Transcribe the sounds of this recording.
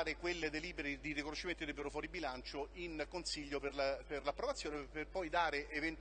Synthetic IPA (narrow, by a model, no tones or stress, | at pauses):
ɾekwelːed̪eliːbeɾid̪irikonoʃːiment̪id̪eiːbeɾofwɔːɾibilant͡ʃoinkonsiʎːoperlperlapːɾovat̪sːjoːneperpɔjd̪aːɾeʔːvent̪